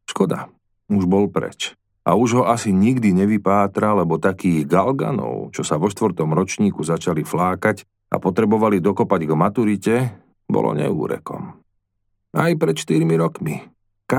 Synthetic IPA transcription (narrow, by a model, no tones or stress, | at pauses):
ʃkɔd̪a̰ | uʒbɔlpɾɛ̰t͡ʃ | ʔa̰uʒɦɔasiɲiɡd̪iɲɛʋipaːt̪ɾalɛbɔt̪akiːɣɡalɡa̰nɔ̰ʊt͡ʃɔsaʋɔʃt̪ʋɾt̪ɔmɾɔt͡ʃɲiːkuzat͡ʃaliflaːkac | a̰pɔt̪ɾɛbɔʋalid̪ɔkɔpaɟɡmat̪uɾicɛ | bɔ̰lɔ̰ɲɛ̰ṵːɾɛ̰kɔ̰m | ajpɾɛt̪ʃt̪iɾmiɾɔkmi | ka